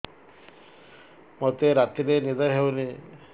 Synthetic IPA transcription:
mɔt̪eɾat̪iɾenid̪ajɦewne

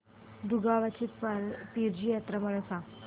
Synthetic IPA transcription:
ɖuɡaʋat͡ɕit̪pəɾp̪iɾd͡ʑijat̪ɾəməɭəsa

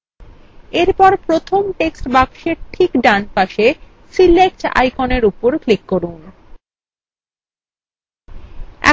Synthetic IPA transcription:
eɾpɔɾpɾot̪ʰomʈeksʈbakʃeɾʈʰikɖanpaʃe | silek̚ʈa̰jkoneɾupoɾklikːoɾun | ɛ̰

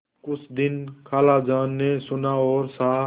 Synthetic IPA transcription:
kʊt͡ʃʰd̪ɪnkʰaːlad͡ʒaːnːesʊnaːɔːɾsaː

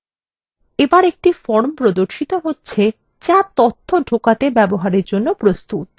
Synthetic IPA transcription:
ebaɾek̚ʈifɔɾmpɾod̪oɾʃit̪oɦotːɕʰe | t͡ɕat̪ɔt̪ʰːoɖʱokat̪ebɛboɦaɾeɾd͡ʑonːopɾost̪ut̪̚

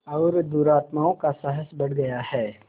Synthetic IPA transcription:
ɔːɾd̪uːɾaːt̪maːõkasɐɦəsbɐɽ̤ɡɐjahɛː

